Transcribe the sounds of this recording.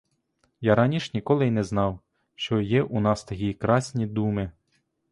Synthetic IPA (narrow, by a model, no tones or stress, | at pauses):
jaɾɑnʲiʃnʲikɔlˠɪinɛznɑw | ʃt͡ʃɔjɛʔunɑst̪ɐkʲikɾɑsʲnʲid̪umɪ